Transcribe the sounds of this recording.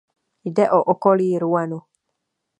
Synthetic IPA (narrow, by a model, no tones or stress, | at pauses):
jdɛʔoʔokoliːɾuanu